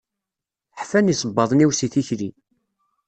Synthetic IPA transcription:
ħfænisˤəbːɑðˤniwsiθiçɾi

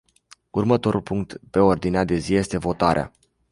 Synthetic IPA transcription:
urmət̪o̞ɾʔulpuŋkt̪pe̞o̞rd̪inead̪e̞zije̞st̪e̞vo̞t̪aɾea̰

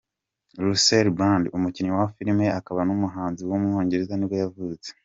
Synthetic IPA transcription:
ɾuseɾbandumuciɲiwafiɾime̞akaβanumuɦaːnziwomŋo̞ːɲɟe̞ɾe̞zaniɾɡojavuːt͡se̥

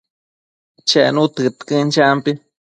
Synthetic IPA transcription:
t͡ʃɛʔnut̪ɨt̪kɨnt͡ʃampi

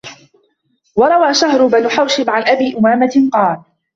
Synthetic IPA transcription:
wɑɾˤɑwaːʃaɦɾʊbanʊħawʃɪbʕanʔabiːʔʊmaːmaqɑːl

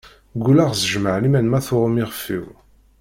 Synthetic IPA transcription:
ɡulaʁzəʒməʕlimænmæθʊɾˤəmiʁfḭw

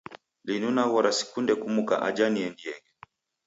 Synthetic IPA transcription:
linunaβɔɾasi̥kundɛkumuka̰ʔad͡ʒaniɛndiɛɡɛ

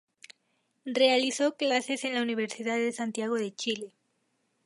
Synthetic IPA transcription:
re̞aliθo̞klase̞se̞nlauniβ̞e̞ɾsiðaððe̞sant̪jaɣ̞o̞ð̞e̞t͡ʃile̞

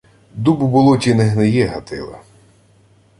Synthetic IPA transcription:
d̪ubʊbʊlˠɔt͡ʃʲineɦnejɛɦɐt̪ɪ̰lˠɐ̰

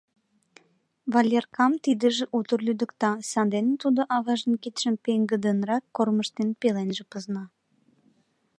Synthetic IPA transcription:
βɑlʲerkɑmt̪id̪ə̆ʒĕʔut̪ərlʲyd̪ə̆kt̪ɑsɑnd̪enət̪ud̪oʔɑβɑʒənkit̪ʃəmpeŋɡə̆d̪ə̆nrɑkkorməʃt̪enpelenʒĕpəznɑ

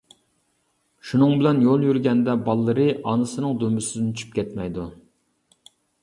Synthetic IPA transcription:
ʃunɨŋbɪlɛnjolˠjyɾɡʲɛnd̪ɛbɑlˠːɨɾɨʔɑnɨsɨnɨŋd̪ømbysɪd̪ɪnt͡ʃʰy̥p̚kʲɛt̪mɛjd̪u

